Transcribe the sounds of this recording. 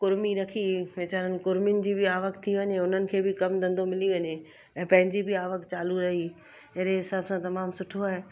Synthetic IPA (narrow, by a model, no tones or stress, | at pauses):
kʊɾmiɾɐkʰiʋeːt͡ɕaːɾənɪ̆kʊɾmɪnɪ̆d͡ʑiːbɪaːʋəkt̪ʰiʋɐɲeʊn̤ənɪ̆kʰeːbɪkɐmd̪ɐ̃nd̪omɪliʋɐɲe | ɛ̃ːpɐ̃ɦɪ̃ɲd͡ʑibɪaːʋəkt͡ɕaːluɾɐɦi | eɦɾeɦɪsaːbsãt̪ɐmaːmsʊʈʰoaːɦe